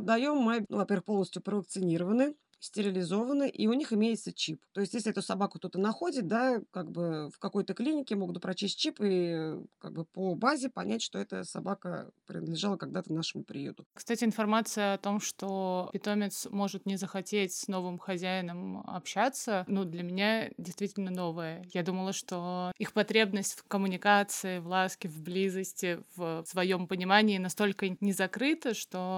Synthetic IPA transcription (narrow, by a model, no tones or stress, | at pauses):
d̪d̪ːɐjo̞mːɨnuvɐpʲervɨxpolˠnəsʲtʲjʊpɾəvək̚t̪sɨnʲiɾəvənɨ | sʲtʲɪɾʲɪlʲɪzo̞vənɨʔiʊnʲixɪmʲejɪt̪sət͡ɕipt̪o̞ɪsʲtʲjesʲlʲɪɛt̪ʊsɐbakʊt̪o̞t̪ənɐxo̞dʲɪt̪̚d̪akaɡ̚bɨfkɐko̞jt̪əklʲinʲɪkʲɪmo̞ɡʊt̪̚pɾɐt͡ɕisʲt̚ʲt͡ɕipɨka̰ɡ̚bɨpobazʲɪpɐnʲʔætʲʂt̪o̞ɛt̪ə̰sɐ̰bakə̰pɾʲɪnəd̪lʲɪʐɑlˠəkɐɡd̪at̪ənaʂɨmʊpɾʲɪ̰jṵt̪ʊkst̪atʲɪɪnfɐrmat̪sɨjəɐt̪o̞mʂt̪o̞pʲɪt̪o̞mʲɪt̪smo̞ʐɨt̪nʲɪzəxɐtʲetʲsno̞vɨmxɐzʲæɪnəmɐ̰pɕːat̪sənud̪lʲɐmʲɪnʲadʲɪjst̪vʲitʲɪlʲnəno̞vəjəjad̪uməlˠəʂt̪o̞ixpɐt̪ɾʲe̞bnəsʲtʲfkəmʊnʲɪkat̪sɨɪvlˠaskʲɪvblʲizəsʲtʲɪvsvɐjo̞mpənʲɪmanʲɪːnɐst̪o̞lʲkənʲɪzɐkɾɨt̪əʂt̪o